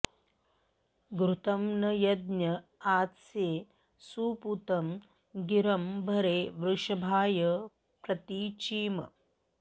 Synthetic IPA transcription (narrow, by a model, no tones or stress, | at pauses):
ɡɾut̪ɐmnɐjɐd̪njɐaːt̪sjeː | suːput̪ɐm | ɡiɾɐmbʱɐɾeːʋɾuʂɐbʱaːjɐ | pɾɐt̪iːt͡ʃiːmɐ̰